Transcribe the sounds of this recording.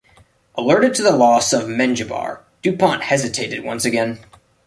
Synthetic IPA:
ʔəlɜ˞ɾɨd̚tʰɨðəlɔsʌvmɛ̃nd͡ʒɨbɑ̰ɹ | d̥ʉpɑ̃nʔhɛzɨtʰeɪɾɨd̚wʌ̰̃nsɨɡɛ̃n

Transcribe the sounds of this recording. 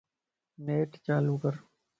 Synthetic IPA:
neːʈt͡ʃaːluːkəɾ

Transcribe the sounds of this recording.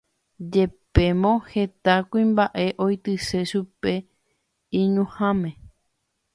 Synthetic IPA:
d͡ʒe̞pe̞mõhe̞t̪akʷuĩmbaʔe̞ʔojt̪ɨse̞ʃupe̞ | ĩɲũhãmẽ

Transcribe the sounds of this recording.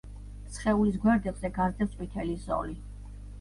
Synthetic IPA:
sχɛulis̬ɡwɛɾd̪ɛbzɛɡazɛt̪ʼwit̪ʰɛlizɔ̰li

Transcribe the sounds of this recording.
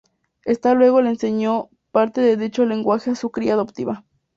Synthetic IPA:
est̪alweɣolenseɲo | paɾt̪eðeðit͡ʃoleŋɡwaxeasukɾiaðopt̪iβa

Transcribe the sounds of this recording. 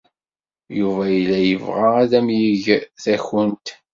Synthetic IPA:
juvæjlːæjəvʁaæðæmjiʝθæçənt̪

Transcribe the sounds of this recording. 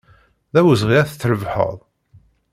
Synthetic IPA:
ðæwəzʁiæθθːɾəvħə̰ðˤ

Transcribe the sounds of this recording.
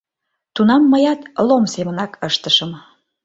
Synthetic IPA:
t̪unɑmːəjɑt̪lomsemə̆nɑkʰəʃt̪əʃəm

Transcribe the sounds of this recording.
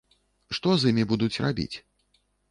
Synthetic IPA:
ʂt̪ɔzimʲibud̪ut͡sʲrabʲḭt͡sʲ

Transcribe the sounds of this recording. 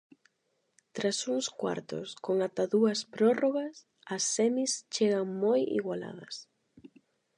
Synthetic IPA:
t̪ɾasuŋskwa̰ɾt̪ʊ̰skoŋat̪aðuɐspɾɔroɣɐs | ɐsːɛmist͡ʃeɣaŋmojḭɣwala̰ðɐ̰s

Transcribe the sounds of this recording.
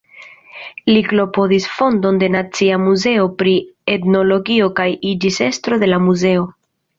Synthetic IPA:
liklo̞podisfo̞ndo̞nde̞nat͡siamuze̞o̞pɾietno̞lo̞ɡio̞kajid͡ʒise̞stɾo̞de̞lamuze̞o̞

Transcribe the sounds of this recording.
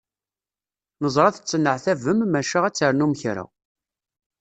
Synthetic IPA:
nəzˤɾˤɑθə̥t͡sːənːəʕθævəmːæʃaʁæt͡sːəɾnumçɾa̰

